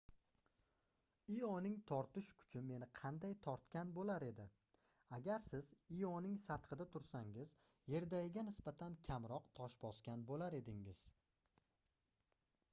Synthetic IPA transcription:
ijɒnɪŋt̪ʰɒɾt̪ɪʃkʰʊ̥t͡ʃʰɪme̞nɪqʰɑnd̪ajt̪ʰɒɾt̪kʲanbolaɾe̞d̪ɪ | aɡʲaɾsɪzijɒnɪŋsat̪qʰɨd̪at̪ʰʊɾsaŋɪz | je̞ɾd̪aɡʲɪɡʲanɪsbat̪ʰankʲʰamɾɒqt̪ʰɒʃbɒskʲanbolaɾe̞d̪ɪŋɪz̥

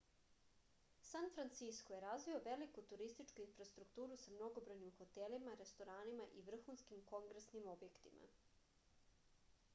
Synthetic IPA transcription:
sanfɾant̪siskoje̞ɾazʋio̞ʋe̞likut̪uɾist̪it͡ʃkuinfɾast̪ɾukt̪uːɾusamno̞ɡo̞bɾo̞jnimxo̞t̪e̞limaɾe̞st̪o̞ɾaːnimaʔiʋr̩xunskimko̞ŋɡɾesnimo̞bje̞kt̪imʔa̰

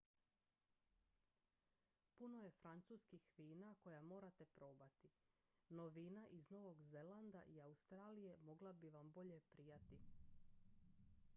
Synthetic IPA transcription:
puno̞je̞fɾant̪suːskixʋiːnako̞jamo̞ːɾat̪e̞pɾo̞ːbat̪i | no̞ʋiːnaʔizno̞ʋo̞ɡze̞land̪a̰ʔiaust̪ɾaːlije̞mo̞ɡlˠabiʋambo̞ʎe̞pɾijat̪i

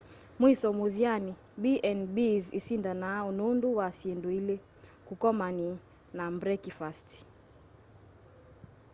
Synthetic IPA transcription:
mwisɔmuðjani | biʔɛnbizisindanaununduwasiɛnduilɛkukɔmani | nambɾɛkifasti̥

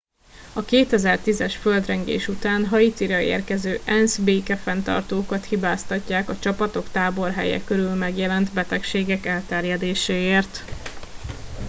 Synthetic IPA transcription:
ɒkeːt̪ɛzɛrt̪izɛʃføld̪rɛŋɡḛːʃut̪aːnɦɒit̪iɾɒḛːrkɛzøːʔɛnzbeːkɛfɛnt̪ɒ̰rt̪oːkɒt̪hibaːst̪ɒcːaːkɒt͡ʃɒpɒt̪o̞kt̪aːbo̞rɦɛ̰jɛ̰køɾylmɛɡjɛlɛnt̪bɛt̪ɛkʃeːɡɛkɛlt̪ɛrjɛd̪eːʃeːeːrt̪

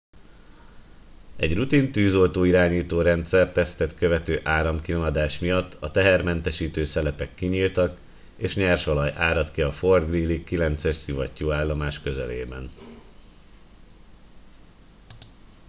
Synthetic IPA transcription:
ɛɟrut̪int̪yːzo̞lt̪oːiɾaːɲiːt̪oːɾɛnt̪sɛrt̪ɛst̪ɛt̪køvɛt̪øːʔaːɾɒmkilomɒd̪aːʃmijɒt̪ʰːɒt̪ɛɦɛrmɛnt̪ɛʃiːt̪øːsɛlɛpɛkːiɲiːlt̪ɒk | eːʃɲɛrʃolɒjʔaːɾɒt̪kiɒford̪ɡriːlːikːilɛnt̪sɛʃsivɒcːoːaːlːomaːʃkø̞zɛlḛːbɛn

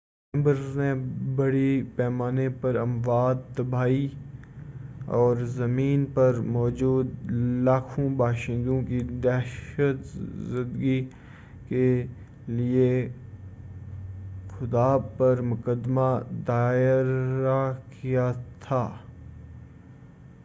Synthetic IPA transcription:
ɛ̃mbəɾnebɐɽipɛːmaːnepɐɾɐmʋaːd̪̚t̪ɐbʱaːi | ɔːɾzɐmiːnpɐɾmɔːd͡ʒuːd̪laːkʰõbaːʃɪ̃nd̪õkid̪ɛːʃət̪zɪnd̪ɡi | ke | lie | xʊd̪aːpɐɾmʊkəd̪mad̪aːɪɾakijat̪ʰaː

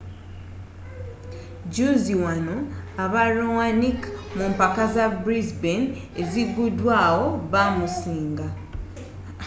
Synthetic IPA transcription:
ɟuziwanoaβaɾowanikmumpakazabɾizben | eziɡudwaːwo̞βamusiːŋɡa

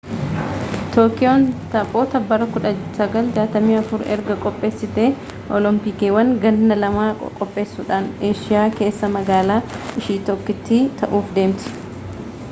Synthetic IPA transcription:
t̪oːkɪjont̪ɐpʼo̞ːt̪ɐbːɐɾɐkʊᶑɐsɐɡɐld͡ʒaːt̪ɐmiːɐfʊɾɛ̰ɾɡɐkʼɔpʼːe̞ːsːɪt̪eː | ʔɔlɔmpɪkeːwɐŋɡɐnːɐlɐma̰ːkʼɔpʼːe̞ːsːuːᶑaːneːʃɪjaːke̞ːsːɐmɐɡaːlaːʔɪʃiːt̪ɔkːɪt̪ːit̪ɐʔuːfd̪e̞ːmt̪ɪ̥

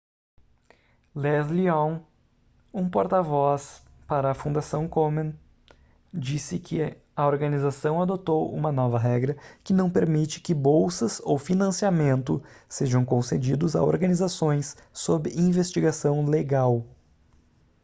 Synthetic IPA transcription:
lɛzliõw̃ | ũpoɾt̪avɔs | paɾɐːfũnd̪asɐ̃w̃komẽn | d͡ʒisɪkʰɪ | ɐoɾɡɐnizasɐ̃w̃ad̪ot̪owṵ̃mɐnɔvɐɦɛɡɾɐkɪnɐ̃w̃peɾmit͡ʃɪ̥kɪbowsɐzowfinɐ̃siamẽnt̪ʊseʒɐ̃w̃kõsed͡ʒid̪ʊza̰o̰ɾɡɐnizasõj̃sːobɪʔĩvest͡ʃiɡasɐ̃w̃leɡaw

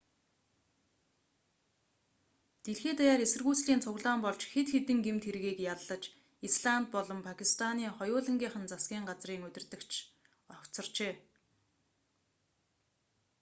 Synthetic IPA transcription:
t̪eɮxeːt̪ajaːɾesɘ̆rɣuːt͡sɮiːnt͡sʰʊɣɮaːmpɔɮt͡ɕxet̪xet̪ɘ̆ŋɡemt̪ʰeɾɣiːkjaɮːə̆t͡ɕ | isɮant̪̚pɔɮɞ̆mpʰakʰist̪ʰaniːχɔjʊːɮə̆ŋɡʲiːχə̆nt͡sasɡʲiːɴɢat͡sriːŋɵt̪ʲɪ̆rt̪ɘ̆kt͡ɕʰ | ɔkt͡sɞ̆rt͡ɕeː

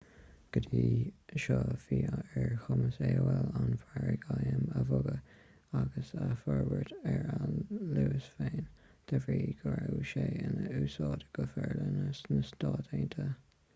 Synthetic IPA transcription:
ɡ̥əd̪iːʃɑːfiːaɛɹxʊməseːwɛlanfaɹəɡajəməvʊɡə | aɡəsafɔɹwəɹtɛɹaluːəsfeːnt̪ʰəvɹiːɡ̥əɾawʃeːənəuːsɑːtə̥ɡ̥əfɛɹlənənəst̪ɑːtʰeːnt̪ʰə

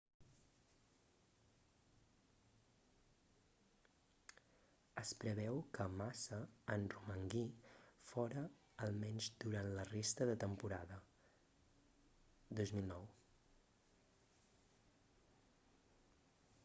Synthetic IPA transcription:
əspɾəβɛwkəmasəːnruməŋɡifɔɾəː | lˠmɛɲzd̪uɾant̪lərest̪əðət̪əmpuɾaðə | d̪ozmilˠnɔw

